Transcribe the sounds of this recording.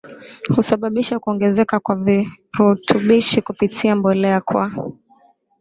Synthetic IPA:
husaɓaɓiʃakuɔŋɡɛzɛkakwavi | ɾutʰuɓiʃikupitʰiambɔlɛakwa

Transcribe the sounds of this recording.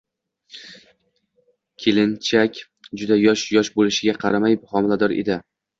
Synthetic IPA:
kʲʰelɪnt͡ʃʰakʲ | d͡ʒʊd̪ajɒʃjɒʃbolɪʃɪɡʲaqʰɑɾamajbʊχɒmɪlad̪ɒɾḛd̪ɪ

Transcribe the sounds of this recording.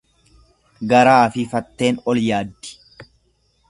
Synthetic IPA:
ɡɐɾaːfɪfɐt̪ːe̞ːnɔljaːd̪ːɪ̥

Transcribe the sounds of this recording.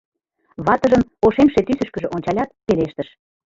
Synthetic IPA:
βɑt̪ə̆ʒəmoʃemʃet̪ysəʃkə̆ʒĕʔonʲt͡ɕɑlʲɑt̪̚peleʃt̪əʃ

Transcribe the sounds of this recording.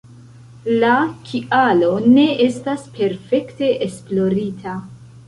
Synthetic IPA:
lakʰiʔalo̞ne̞e̞staspe̞ɾfe̞kte̞ʔesplo̞ɾitʰa

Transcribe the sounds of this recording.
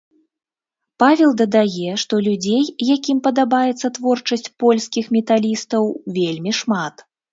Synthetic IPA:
pavʲɛlˠd̪ɐd̪ajɛʂt̪ɔlʲud͡zʲejjakʲimpɐd̪abajɛt̪sːɐt̪vɔrt͡ʂɐsʲt͡sʲpɔlʲskʲixmʲɛt̪alʲist̪ɐwvʲelʲmʲiʂmat̪

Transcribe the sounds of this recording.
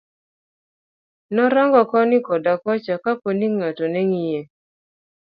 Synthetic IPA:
nɔɾaŋɡɔkɔnɪkɔdakɔt͡ʃakaponiŋatonɛŋije

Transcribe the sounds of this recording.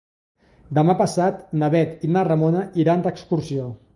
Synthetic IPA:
d̪əmapəsat̪naβɛt̪inarəmonəiɾand̪əkskuɾsio

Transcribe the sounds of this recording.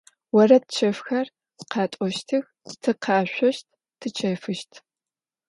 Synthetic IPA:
wɐrɐt̚t͡ʃʰɐfxɐr | sqʰɑːtʷʼɔʃtʰɨx | tʰɨqʰɑːɕʷɔʃt̚ʰ | tʰɨt͡ʃʰɐfɨʃtʰ

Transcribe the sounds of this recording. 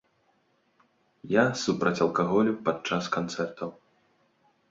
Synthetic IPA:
jasupɾɐt͡sʲɐlˠkaɣɔlʲupat͡ʂaskant̪sɛrt̪ʰɐw

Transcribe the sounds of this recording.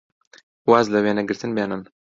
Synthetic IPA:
waːzlɐweːnɐɡɨɾt̪ʰɨnbeːnɨn

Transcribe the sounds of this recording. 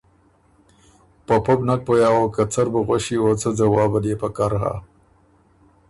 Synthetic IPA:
papobnak̚pojɑːokat͡saɾbəɣwaʃiot͡səd͡zawɑːbad̪epakaɾɦa̰

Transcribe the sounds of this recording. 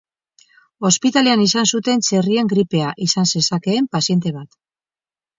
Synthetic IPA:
o̞spit̪aleanisansut̪e̞nt͡se̞rie̞ŋɡɾipe̞aʔisanse̞sake̞ːmpasje̞nt̪e̞βat̪

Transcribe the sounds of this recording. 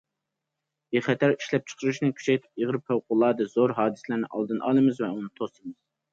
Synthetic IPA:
eχɛt̪ʰæɾiʃlɛp̚t͡ʃʰə̥qʰəɾuʃnɨkʲʰy̥t͡ʃʰɛjt̪ʰɪ̥p̚eʁəɾpføwqʊlˠɑːd̪ɨzoɾɦɑːd̪ɨslæɾnɨ̰ʔɑ̰lˠd̪ɨnʔɑ̰ːlˠɨmɨzvɛunɨt̪ʰost̪ɨmɨz̥

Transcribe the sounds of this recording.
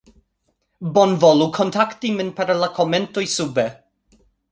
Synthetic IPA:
bɔnvɔlˠukʰɔntʰaktimɪnpʰaɾəlakʰɔmɛntʊjsʊbɛ

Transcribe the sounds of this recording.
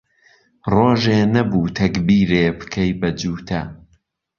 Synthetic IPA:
roːʒeːnɐbuːt̪ʰɐkbiːɾeːbɨ̥kʰɐjbɐd͡ʒuːt̪ʰɐ

